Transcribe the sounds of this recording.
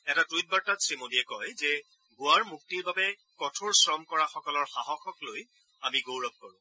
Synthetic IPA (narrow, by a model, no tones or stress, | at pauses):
ɛtatujt̚baɹtatsɹimodiɛkɔjzɛ | ɡʊaɹmuk̚tiɹbabɛ | kɔtʰoɹsɹɔmkɔɹaxɔkɔlɔɹxaɦɔxɔkloj | amiɡowɹɔb̚kɔɹʊ̃